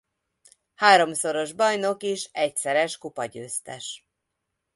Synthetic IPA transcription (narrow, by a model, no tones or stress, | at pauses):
haːɾo̞mso̞ɾo̞ʒbɒjno̞keːʃɛcsɛɾɛʃkupɒɟø̰ːst̪ɛ̰ʃ